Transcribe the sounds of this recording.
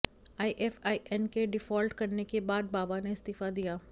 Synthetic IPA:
aːiʔɛfaːiʔɛnkeɖɪfɔːlʈkɐɾnekebaːd̪̚baːbaneɪst̪ifad̪ijaː

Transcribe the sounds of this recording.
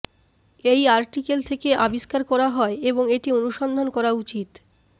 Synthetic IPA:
ejaɾʈikelt̪ʰekeʔabiʃkaɾkɔɾaɦɔeeboŋeʈionuʃond̪ʱonkɔɾaut͡ɕit̪

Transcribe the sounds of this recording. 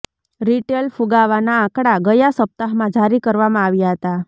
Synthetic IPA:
ɾiʈelfuɡaʋanaãkɽaɡəjasəp̚t̪aɦmãd͡ʒʱaɾikəɾʋamãaʋjaɦət̪a

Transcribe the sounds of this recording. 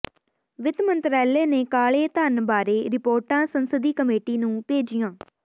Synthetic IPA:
ʋɪt̪mənt̪ɾɛːleːneːkaːɭeːt̪ənbaːɾeːɾɪpoːɾʈãːsənsəd̪iːkəmeːʈiːnũːpeːd͡ʒijãː

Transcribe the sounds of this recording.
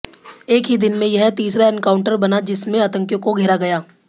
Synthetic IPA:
eːkɦid̪ɪnmẽjɐɦt̪iːsɾaɛnkaːʊ̃ɳʈəɾbɐnad͡ʒɪsmẽat̪ə̃ŋkjõkoɡʱɛːɾaɡɐjaː

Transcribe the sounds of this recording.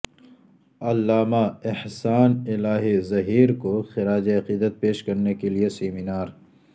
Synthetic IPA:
ɐlːaːmaɪhsaːnɪlaːɦizɐɦiːɾkoxɪɾaːd͡ʒiɐqiːd̪ət̪̚peːʃkɐɾnekelieseːmɪnaːɾ

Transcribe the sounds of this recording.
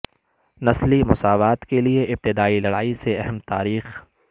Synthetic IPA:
nɐslimʊsaːʋaːt̪kelieʔɪb̚t̪ɪd̪aːilɐɽaːiseɛɦɛmt̪a̰ːɾiːx

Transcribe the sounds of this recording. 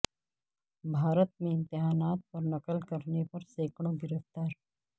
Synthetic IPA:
bʱaːɾət̪̚mẽɪ̃nt̪ɪɦaːnaːt̪̚pɐɾnɐkəlkɐɾnepɐɾseːkʰɽ̃õɡɪɾəft̪aːɾ

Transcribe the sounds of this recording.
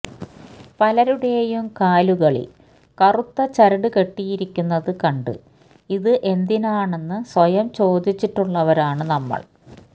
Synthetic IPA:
pɐlɐɾuɽeːjumkaːluɣɐɭḭ | kɐrut̪ːɐt͡ɕɐɾɐɽɨke̞ʈːijiɾikʲːunːɐðɨkɐɳɖɨ̰ | iðɨʔe̞nd̪inaːɳe̞nːɨsʋɐjɐmt͡ɕo̞ːd̪it͡ɕːiʈːuɭːɐʋɐɾaːɳɨnɐmːɐ̰ɭ

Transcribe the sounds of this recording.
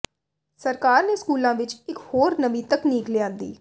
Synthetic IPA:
səɾkaːɾneːskuːlãːʋɪt͡ʃɪkhoːɾnəbĩːt̪əkniːklɪjãːnd̪ḭː

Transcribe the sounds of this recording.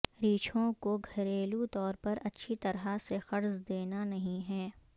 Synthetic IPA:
ɾiːt͡ʃʰõkoɡʱɐɾeːlut̪ɔːɾpɐɾɐtːʃʰit̪ɐɾɦasexɐɾzd̪eːnanɐɦĩɦɛː

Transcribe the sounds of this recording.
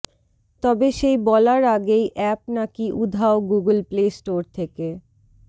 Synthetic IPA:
t̪ɔbeʃejbɔlaɾaɡejʔɛp̚nakiʔud̪ʱaoɡuɡəlplesʈoɾt̪ʰeke

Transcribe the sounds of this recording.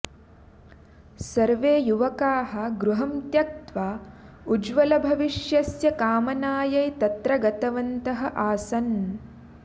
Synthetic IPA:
sɐɾʋeːjuʋɐkaːɦɐ̆ɡɾuɦɐmt̪jɐk̚t̪ʋaː | ud͡ʒʋɐlɐbʱɐʋiʃjɐsjɐkaːmɐnaːjɐjt̪ɐt̪ɾɐɡɐt̪ɐʋɐnt̪ɐɦɐ̆ʔaːsɐn

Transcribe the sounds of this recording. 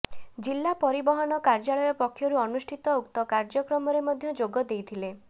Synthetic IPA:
d͡ʒilːapɔɾibɔɦɔnɔkaɾd͡ʒaɭɔjɔpɔkʰːjɔɾuɔnusʈʰit̪ɔukt̪ɔkaɾd͡ʒɔkɾɔmɔɾemɔd̪ʱjɔd͡ʒoɡɔd̪ejt̪ʰile

